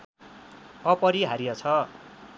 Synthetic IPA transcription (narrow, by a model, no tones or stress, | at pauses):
ʌpʌɾiɦaɾijat͡sʰʌ